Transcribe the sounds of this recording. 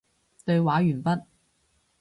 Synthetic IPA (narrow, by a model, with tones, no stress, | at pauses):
t̪ɵ˧ɥwaː˨˥jyː˨˩npɐ˥t̚